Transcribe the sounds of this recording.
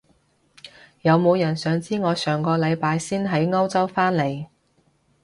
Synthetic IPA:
jɐ˨˧wmo˨˧wjɐ˨˩nsœː˨˧ŋt͡siː˥ŋɔː˨˧sœː˨˩ŋkɔː˧lɐ˨˧jpaː˨˧jsiː˥nɦɐ˨˥jŋɐ˥wt͡sɐ˥wfaː˥nle˨j

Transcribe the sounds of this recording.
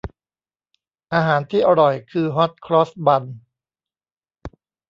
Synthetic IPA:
ʔaː˧ɦaː˩˦nt̪ʰiː˥˩ʔa˧ɾɔ˨˩jkʰɯː˧ɦɔ˦˥t̪̚kʰɾɔː˦˥sba˧n

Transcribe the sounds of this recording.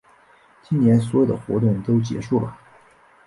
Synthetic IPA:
t͡ɕi˥nnjɛ˧˥ns̬wɔ˧˥jʊd̪ə˨xwɔ̰˧˥t̪ʊ˥˩ŋt̪o˥ʊt͡ɕjɛ̰˧˥ʂu˥˩lə̰˩

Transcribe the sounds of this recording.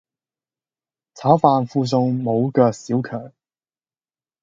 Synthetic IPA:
t͡sʰaː˨˥wfaː˧nfuː˧s̬ʊ˧ŋmo˨˧wkœː˧k̚siː˨˥wkʰœ̰ː˨˩ŋ

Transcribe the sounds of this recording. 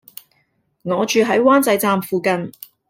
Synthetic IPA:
ŋɔː˨˧t͡ʃyː˨˧ɦɐ˨˥jwaː˥nt͡sɐ˨˧jt͡saː˧mfuː˨˧kɐ˨n

